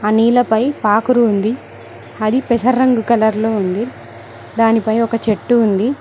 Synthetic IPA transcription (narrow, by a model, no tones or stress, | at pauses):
ɐniːlɐpɐjpaːkuɾuːnd̪i | ɐd̪ipɛsɐɾːɐŋɡukɐlɐɾlo̞ːund̪i | d̪aːnipɐjɔkɐt͡ʃe̞ʈːuːnd̪i